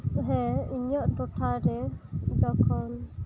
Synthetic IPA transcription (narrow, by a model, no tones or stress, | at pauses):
ɦɛiɲɔʔdɔʈʰaɾɛd͡ʒɔkʰɔn